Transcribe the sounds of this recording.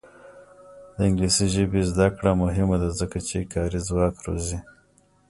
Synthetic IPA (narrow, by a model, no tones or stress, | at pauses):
d̪̥əɪŋɡlisiʒəbezd̪akɽamʊɦɪmad̪azəkat͡ʃekʰɑɾizwɑkɾo̰zi